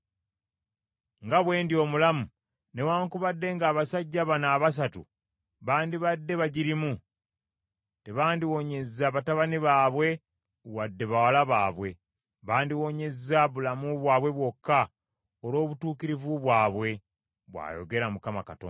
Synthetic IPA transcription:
ŋɡaβwe̞ːndio̞ːmulamu | ne̞waːŋkuβadːe̞ŋɡaːβasaɟːaβanaːβas̬atṵ | βaːndiβadːe̞βaɟiɾimu | te̞βaːndiwo̞ɲe̞zːaβataβaniβaːβwe̞ | wadːe̞βawalaβaːβwe̞ | βaːndiwo̞ɲe̞zaβulamuβwaːβwe̞βwo̞kːa | oɾo̞ːβutuːkiɾivuβwaːβwe̞ | βwa̰ːjo̞̰ɡe̞ɾamukamakato̰ː

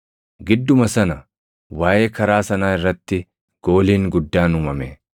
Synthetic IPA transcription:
ɡɪd̪ːʊmɐsɐnɐ | waːjeːkɐɾaːsɐnaːɪrːɐt̪ːɪ | ɡ̥o̞ːliːŋɡʊd̪ːaːnʊmɐmḛː

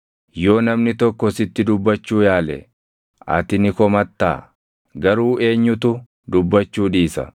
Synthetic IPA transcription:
jo̞ːnɐmnɪt̪ɔkːɔsɪt̪ːɪd̪ʊbːɐt͡ʃːuːjaːlɛ̰ | ʔɐ̰t̪ɪnɪkɔmɐt̪ːa̰ː | ɡɐɾuːe̞ːɲːʊt̪ʊ | d̪ʊbːɐt͡ʃːuːᶑiːsɐ̰

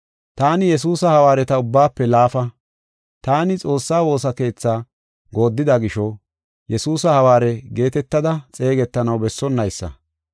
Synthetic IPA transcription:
t̪aːnɪjɛsuːsɐhɐwaːɾɛt̪ɐʊbːaːpːɛlaːfɐ | t̪aːnɪt͡sʼo̞ːsːaːwo̞ːsɐke̞ːt͡sːaː | ɡo̞ːd̪ːɪd̪ɐɡɪʃɔ | jɛsuːsɐhɐwaːɾɛɡe̞ːt̪ɛt̪ːɐd̪ɐt͡sʼe̞ːɡɛt̪ːɐnɐwbɛsːɔnːɐjsːɐ̰

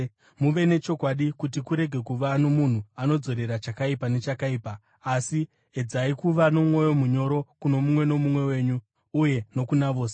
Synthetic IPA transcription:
muʋe̞ne̞t͡ʃo̞kwaɗikut̬ikuɾe̞ɡʱe̞kuʋano̞mun̤uano̞d͡zo̞ɾe̞ɾat͡ʃakaipane̞t͡ʃakaiːpaː | si | ed͡zaikuʋanomwo̞jo̞muɲo̞ɾo̞kuno̞mumwe̞no̞mumwe̞we̞ːɲuː | je̞no̞kunaʋo̞ːse

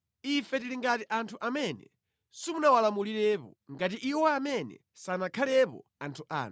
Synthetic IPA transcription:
ifɛtiliŋɡatiʔantʰuʔamɛnɛ | simunawalamuliɾɛpɔ̰ŋɡatiʔiwɔamɛnɛ̰ | sanakʰalɛpɔ̰antʰuʔa̰ːn

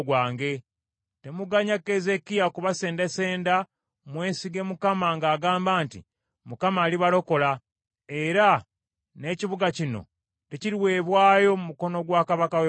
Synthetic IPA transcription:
ɡwaːŋɡe̞ | te̞muɡaɲakːeze̞kijakuβase̞ːndese̞ːnda | mwe̞ːsiɡe̞mukamaŋɡaːɡaːmbaːntḭ | mukamaːliβalo̞ko̞la | e̞ɾa | ne̞ːciβuɡacino̞̰ | te̞ciɾiwe̞ːβwaːjo̞mumuko̞no̞ɡwaːkaβakawe

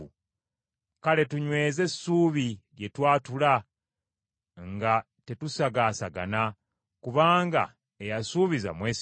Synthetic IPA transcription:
kale̞tuɲwe̞ːze̞sːuːβilje̞twaːtula | ŋɡa | te̞tusaɡaːsaɡa̰na | kuβaːŋɡa̰ | ejasuːβiza̰mweːs

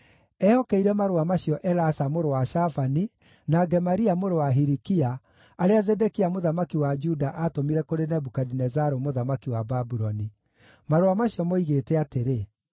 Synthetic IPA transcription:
ɛɔkɛiɾɛmaɾoamaɕjɔʔɛɾasamoɾowaʃafani | naɡɛmaɾiamoɾowaɦiɾikia | aɾeazɛdɛkiamoðamakiwad͡ʒudaʔatomiɾɛkoɾenɛbukadinɛzaɾomoðamakiwababuɾɔni | maɾoamaɕiɔmoiɣetɛateɾe

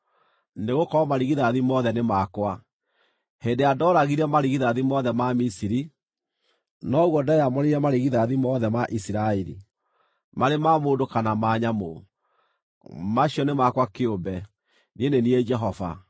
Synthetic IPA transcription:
neɣokɔɔmaɾiɣiðaðimɔðɛnemakwa | hendeadɔːɾaɣiɾɛmaɾiɣiðaðimɔðɛmamisiɾi | nɔɣwɔdajamɔneɾɛmaɾeɣiðaðimɔðɛmaʔisiɾaɛɾḭ | maɾemamoːndokanamaːɲamo | maɕiɔnemakwakeombɛ | nieneniɛd͡ʒɛɦɔva̰

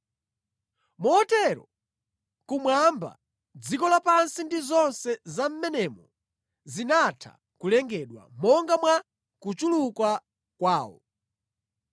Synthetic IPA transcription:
mɔːtɛɾɔ | kumwamba̰ | d͡zikɔlapansindizɔnsɛzam̩mɛnɛmɔ | zinatʰa̰ | kulɛŋɡɛɗwa̰mɔŋɡamwa | kut͡ʃulukwa | kwaːwɔ̰

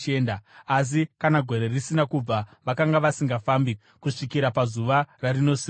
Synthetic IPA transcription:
endaas̬ikanaɡʱo̞ɾe̞risinakub͡vaʋakaŋɡaʋasiŋɡafambi | kuʂikiɾapazuʋararino̞si

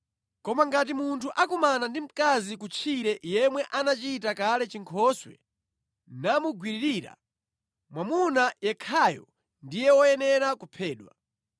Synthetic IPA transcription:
kɔmaŋɡat̬imuntʰuʔakumanandim̩kazikut͡ʃʰiɾɛjɛmwɛʔanat͡ʃitakalɛt͡ʃiŋkʰɔswɛ̰ | namuɡwiɾiɾiːɾa̰ | mwamunajɛkʰajɔ̰ | ndijɛwɔjɛnɛɾakupʰɛːɗwa̰

